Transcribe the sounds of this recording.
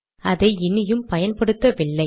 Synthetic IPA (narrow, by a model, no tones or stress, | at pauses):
ɐðɐɪɪnːɪjɯmpɐjɐnpɐɽɯt̪ːɐʋɪɭːɐɪ